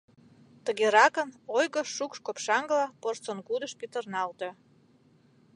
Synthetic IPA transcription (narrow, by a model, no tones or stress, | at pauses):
t̪əɣeɾɑkə̆nojɣə̆ʃukʃkopʃɑŋɡlɑport͡sonkud̪ə̆ʃpit̪ərnɑlt̪ĕ